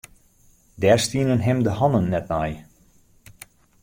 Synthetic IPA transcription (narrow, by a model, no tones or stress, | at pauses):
dɛrstiənənɦɛmdəhɑnənːɛt̚mɛj